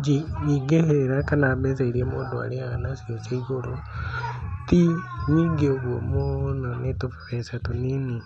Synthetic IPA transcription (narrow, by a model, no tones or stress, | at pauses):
d͡ʒiiɡeheɾeɾakanaːmesaiɾiemoːndoa̰ɾeanasiosaiɣoɾo | tiɲiːŋɡeoβwomononetofe̥βesatonini